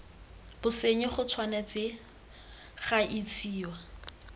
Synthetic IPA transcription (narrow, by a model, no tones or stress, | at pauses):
b̥ʊseɲɪχʊt͡sʰwanat͡sʼɪ | χaʔit͡sʰiːwa